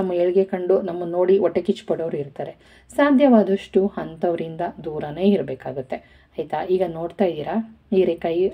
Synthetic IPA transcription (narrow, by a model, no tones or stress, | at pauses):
ɐmːɐeɭiɡekɐɳɖunɐmːɐno̞ːɽiɔʈːekit͡ʃːpoɽɐʋɾuiɾt̪aːɾe̞ | saːd̪ʱjɐʋaːd̪ɐʂʈuhɐnt̪ɐʋɐɾind̪ɐd̪uːɾɐneːiɾbeːkaːɡut̪ːe̞ | ɐjt̪aiːɡɐno̞ːɖt̪aːjd̪iːɾɐ | iːɾekɐji